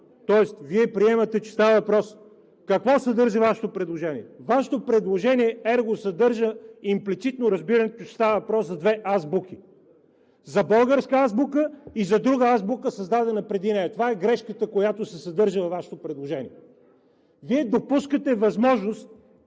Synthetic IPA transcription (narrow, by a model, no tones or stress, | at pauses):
t̪ɔɛst̪viɛpɾiɛmɐt̪ɛt͡ʃɛ̥st̪avəvɐpɾɔs | kɐkvɔsɐd̪ɤɾʒəvaʃɛ̥t̪opɾɛd̪lˠoʒɛniɛvaʃɛ̥t̪opɾɛd̪lˠoʒɛniɛɛɾɡosɐd̪ɤɾʒəimplit̪sit̪noɾɐzbiɾɐnɛt̪ot͡ʃɛ̥st̪avəvɐpɾɔszɐd̪vɛʔazbuki | zɐbɤlˠɡəɾskəazbukəizɐd̪ɾuɡəazbukəsɐzd̪ad̪ɛnɐpɾɛd̪inɛjɐt̪ovaɛɡɾɛʃkət̪əkojat̪osɛsɐd̪ɤɾʒəvɐvːaʃɛ̥t̪opɾɛd̪lˠoʒɛnḭɛ | viɛd̪opuskət̪ɛvɐzmɔʒnost̪̚